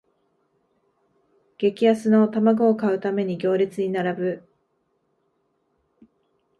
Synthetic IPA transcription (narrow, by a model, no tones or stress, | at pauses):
ɡ̥e̞kʲiasɨno̞t̪amaɡoːkaɯ̟t̪ame̞ɲ̟iɡʲo̞ːɾʲit͡sɨɲ̟inaɾabɯ̟